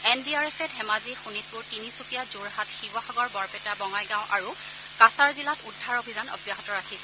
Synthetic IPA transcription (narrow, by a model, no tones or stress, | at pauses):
ɛndiaɹɛpʰɛtɦɛmazixunit̚pʊɹtinisupijazuɹɦatxibaxaɡɔɹbɔɹpɛtabɔŋajɡãw̃ʔa̰ɹu | kasaɹzilatudʱːaɹobʱizanɔ̰bjaɦɔtɔɹakʰisɛ̥